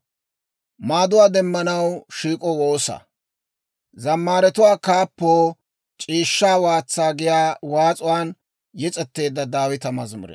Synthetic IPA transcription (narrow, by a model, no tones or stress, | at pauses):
maːd̪ʊwaːd̪ɛmːɐnɐwʃiːkʼɔwoːsɐ̰ | zɐmːaːɾɛt̪ʊwaːkaːpːoː | t͡ʃʼiːʃːaːwaːt͡sːaːɡɪjaːwaːt͡sʼʊwaːn | jɛt͡sʼɛt̪ːe̞ːd̪ːɐd̪aːwɪt̪ɐmɐzmʊ̰ɾɛ̰